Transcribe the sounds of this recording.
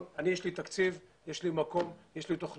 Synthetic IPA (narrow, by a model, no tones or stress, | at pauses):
anijeʃlit̪akt͡sivjeʃlimako̞mjeʃlit̪oχn